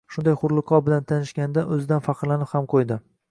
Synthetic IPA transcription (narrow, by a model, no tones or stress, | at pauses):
ʃʊnd̪ajχʊɾlˠɨqʰɒbɪlant̪ʰanɪʃkʲanɪd̪aʔɵzɪd̪anfɑqʰɨɾlanɪphamqʰojd̪ɪ